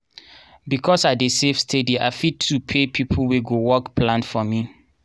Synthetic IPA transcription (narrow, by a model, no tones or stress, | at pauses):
bikʰɔsadesefstʰedia̰ɪfitʰːupʰepʰipʰlweɡowɔkpʰlãnfɔmi